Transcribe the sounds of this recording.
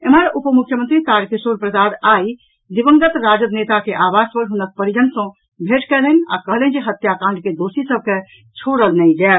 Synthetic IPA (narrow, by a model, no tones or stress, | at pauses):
eməɾupəmukʰːjəmənt̪ɾit̪aɾkisoɾpɾəsad̪ai | d̪ibəŋɡət̪ɾad͡ʒəbnet̪akeʔabaspəɾɦunək̚pəɾijənsɔ̃ | bʱeʈkɛlɛna̰kəɦlɛ̃nd͡ʒeɦət̪jakãɳɖked̪osisəb̚ke | t͡ʃʰoɾəlnɛid͡ʒɛː